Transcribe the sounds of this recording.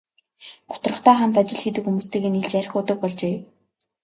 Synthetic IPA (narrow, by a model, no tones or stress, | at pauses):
ɢ̥ʊ̥t̪̆rə̆χt̪æːχam̥t̪at͡ɕɪ̆ɮxet̪ɘ̆kxumuːst̪eːɣeːniɮt͡ɕæɾʲɪ̆xʊt̪ə̆k̚pɔɮt͡ɕeː